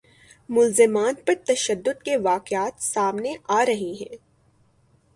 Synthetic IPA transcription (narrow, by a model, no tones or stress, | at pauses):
mʊlzɪmaːnpɐɾt̪ɐʃəd̪ːʊd̪keʋaːqɪaːt̪saːmneʔaːɾɐɦiɦɛ̃ː